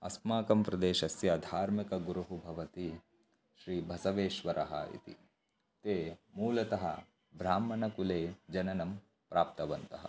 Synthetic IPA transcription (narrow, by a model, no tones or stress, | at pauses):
ɐ̰smaːkɐmpɾɐd̪eːʃɐsjɐd̪ʱaːɾmikɐɡuɾuɦubʱɐʋɐt̪i | ʃɾiːbʱɐsɐʋeːʃʋɐɾʔɐɦɐ̰ḭt̪ḭ | t̪eːmuːlɐt̪ɐɦɐ̰ | bɾaːmɐnɐkuleːd͡ʒɐnɐnɐm | pɾaːp̚t̪ɐʋɐnt̪ɐɦɐ̰